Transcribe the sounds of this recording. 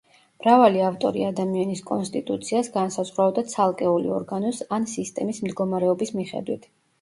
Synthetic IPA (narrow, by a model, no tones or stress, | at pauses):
mɾavaliaft̪ʼɔ̰ɾḭad̪amianiskʼɔnst̪ʼit̪ʼut̪sʰiasɡansazʁɾabd̪at̪sʰalˠkʼɛulḭɔ̰ɾɡanɔsansist̪ʼɛmismd̪ɡɔmaɾɛɔbismiχɛ̰d̪wit̪ʰ